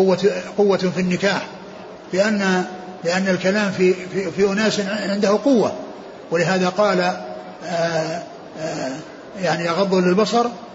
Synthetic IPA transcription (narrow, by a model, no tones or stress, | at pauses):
ʊwːaqʊwːafinːɪkaːħ | lɪʔanːa | lɪʔanːalkalaːmfiifiʔʊnaːsʕɪnd̪ʊhʊqʊwːa | wɪlɪɦaːðaqɑːla | jaʕnijɑɣɑðˤːʊlːɪlbɑsˤɑɾˤ